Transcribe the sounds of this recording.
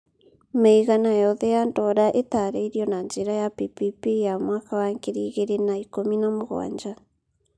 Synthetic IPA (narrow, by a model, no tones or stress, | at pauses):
maiɣanajɔðɛjantɔɾaʔetaːɾeiɾiɔnaɲd͡ʒeɾajapipipijamwaːkawaŋkeɾiːɣeɾenaikominamoɣwa̰ːɲd͡ʒa